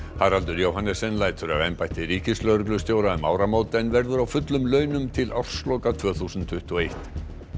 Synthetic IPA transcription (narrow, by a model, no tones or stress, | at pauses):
haɾ̥halt̪ʏɾjowɦhanːɛsɛnlaːjt̪ʰʏɾa̰vejmpajht̪ɪɾiːcɪslœɾklʏst̪jowɾaʏmawɾamoːwt̪ɛnvɛɾðʏɾawfʏt̪lʏmlœːɥnʏmt̪ʰɪlʔafsloːwkat̪ʰv̥œːθusʏnt̪ʰːʏht̪ɔejht̪